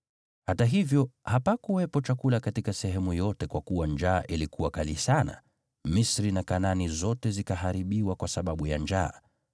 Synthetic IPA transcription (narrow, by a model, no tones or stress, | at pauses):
hataɦivjɔhapakuwɛpɔt͡ʃakulakatikasɛɦɛmujɔtɛkwakuwand͡ʒaːʔilikʰuwakalisana̰ | misɾinakananizɔtɛzikaɦaɾiɓiwakwasaɓaɓujand͡ʒaː